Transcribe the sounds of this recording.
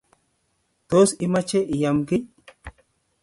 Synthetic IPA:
t̪o˦si˦ma˦t͡ʃe˦ʔi˨ja˨mɡi˦

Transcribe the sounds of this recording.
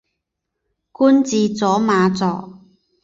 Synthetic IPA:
kuː˥nt͡siː˨˧t͡sɔː˨˥maː˨˧t͡sɔː˨˩

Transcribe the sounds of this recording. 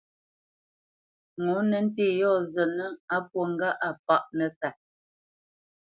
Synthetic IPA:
ŋo˨˦nə˨˦n̩˦te˦˨jɔ˦˨zə˨nə˦a˦p̚wo˨ŋ̩˦ɡa˦ʔa˨pa˦ʔnə˨ka˨

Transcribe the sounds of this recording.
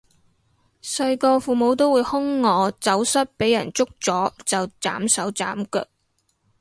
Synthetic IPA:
sɐ˧jkɔː˧fuː˨mo˨˧wt̪o˥wuː˨˧˥jhʊ˥ŋːɔː˨˧t͡sɐ˨˥wsɐ˥t̚pe˨˥jɐ˨˩nt͡sʊ˥k̚t͡sɔː˨˥t͡sɐ˨wt͡sa̰ː˨˥msɐ˨˥wt͡saː˨˥mkœ̰ː˧˩k̚

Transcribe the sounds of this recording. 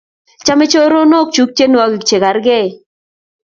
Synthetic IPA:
t͡ʃa˦me˦t͡ʃo˦ɾo˦no˦k̚t͡ʃu˦k̚t͡ʃe˦n˨a˦ɡɪ˨kt͡ʃe˨ka˨ɾɡɛ˦˨

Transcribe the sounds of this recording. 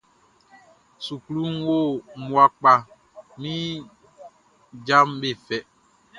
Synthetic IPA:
su˨klu˦nwo˦˨mwa˨k͡pa˨ | mĩ˦ | d͡ʒa˦mbe˦˨fɛ˨

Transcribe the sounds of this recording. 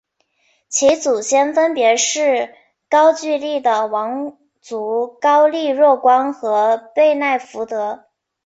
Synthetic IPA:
t͡ɕʰi˧˥t͡su˨˩ɕjɛ˥nfə˥npjɛ˧˥ʂɻ̩˥˩ | kɑ˥ʊt͡ɕy˥˧li˥˩d̪ə˩wɑ˧˥ŋ | t͡su˧˥kɑ˥ʊli˥˧ɻwɔ˥˩kwɑ˥ŋxɤ˧˥pe˥˧ɪna˥˩ɪfu˧˥t̪ɤ˧˥

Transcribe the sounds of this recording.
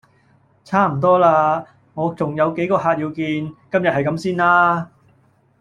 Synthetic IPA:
t͡sʰaː˥˩m̩˨˩t̪ɔː˥laː˧ | ŋɔː˨˧t͡sʊ˨ŋjɐ˨˧wke˨˥jkɔː˧ɦaː˧t̚jiː˧wkiː˧nkɐ˥mjɐ˨t̚hɐ˨jkɐ˨˥msiː˥nlaː˥

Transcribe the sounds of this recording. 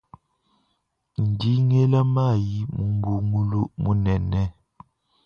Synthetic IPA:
n̩˨di˦ŋe˦la˦ma˦˨ji˦mu˨m˦bu˨ŋu˦lu˦mu˨˦nɛ˨nɛ˦

